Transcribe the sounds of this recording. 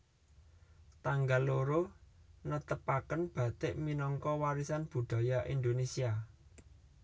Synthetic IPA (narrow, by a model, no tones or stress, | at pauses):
t̪aŋɡalːoɾonət̪əpakənb̥a̤t̪ɪʔminɔŋkɔwaɾisanb̥ṳɖ̪̥a̤jaʔind̪onesia